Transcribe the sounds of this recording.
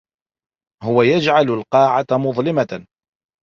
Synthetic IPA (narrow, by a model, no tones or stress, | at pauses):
hʊwajad͡ʒʕalʊlqɑːʕamʊðˤlɪma